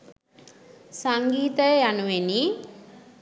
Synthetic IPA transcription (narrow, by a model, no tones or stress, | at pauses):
saŋɡiːt̪əjanuʋeni